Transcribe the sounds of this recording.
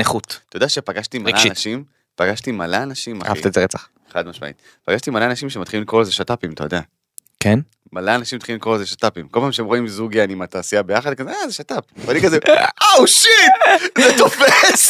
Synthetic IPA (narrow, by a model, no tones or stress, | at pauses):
neχut̪t̪ojodaʃepaɡaʃt̪imalanaʃim | paɡaʃt̪imalaːnaʃimaχaft̪ezeʁet͡saχ | eχadmaʃma̰ḭt | paɡaʃt̪imalanaʃimʃemat̪χilimlikʁolzeʃat̪apimt̪ojd̪a | kʰen | malaːnaʃimat̪χiimikʁolzeʃat̪apimkolpaːmʃeemʁoimzuɡijanimat̪aːsijabe̞jaχad̪kazeazeʃat̪ap̚vanikazeawʃit̪̚zet̪o̞fes